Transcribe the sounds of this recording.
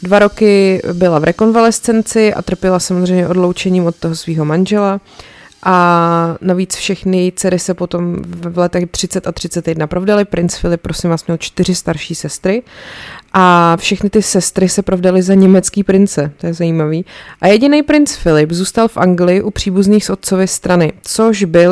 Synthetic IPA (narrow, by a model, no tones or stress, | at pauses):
dvaɾo̞kɪbɪlavɾʔɛko̞nvalɛst͡sɛnt͡sɪʔa̰t̪r̩pjɛlasamozrɛjmɲɛʔo̞dlo̞wt͡ʃɛɲiːmo̞t̪̚t̪ːoɦosviːɦo̞manʒɛla | ʔanaviːt͡sfʃɛxnɪt͡sɛɾɪsɛpo̞t̪o̞mvvlɛt̪ɛxd̪r̝̥ɪt͡sɛt̪at̪r̝̥ɪt͡sɛt̪jɛdnapɾovdalɪpɾɪnt͡sfɪlɪp̚ːɾosɪmvaːsmɲɛlt͡ʃt̪ɪr̝ɪst̪aɾʃiːsɛst̪ɾɪ | ʔafʃɛxnɪt̪ɪsɛst̪ɾɪsɛpɾovdalɪzaɲɛmɛt͡skiːpɾɪnt͡sɛt̪ojɛzajiːmaviːʔajɛɟɪnejpɾɪnt͡sfɪlɪpzuːst̪alfʔaŋɡlɪjɪʔupr̝̥iːbuzniːxsʔo̞t̪̚t͡sovɪst̪ɾanɪt͡so̞ʒbɪl